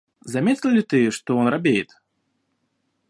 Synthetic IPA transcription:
zamʲet̪ʲlʲɪlʲit̪ɨʂt̪ɔɔnɾabʲejɪt̪

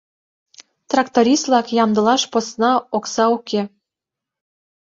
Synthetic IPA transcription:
t̪rɑkt̪oɾʲist̪lˠɑkjɑmd̪ɤ̆lɑʃposnɑoksɑukʰe

